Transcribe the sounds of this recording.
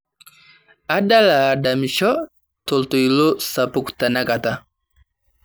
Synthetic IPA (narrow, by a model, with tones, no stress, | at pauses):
a˦da˦laː˨da˨mi˨ʃɔ˦ | to˨lto˨i˨lo˦sa˨pu˨ku̥ta˨na˦ka˨ta˦